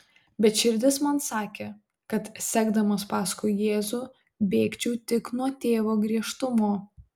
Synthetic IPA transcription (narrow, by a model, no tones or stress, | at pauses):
bʲɛt̪ʃʲɪɾʲd̪ʲɪsmɐnsɑːkʲeː | kɐt̪sʲæːɡd̪ɐmɐspɑːskʊɪjeːzʊ | bʲeːkt͡ʃʲuːt̪ʲɪknuɔt̪ʲeːʋoːɡɾʲiɛʃt̪ʊmoː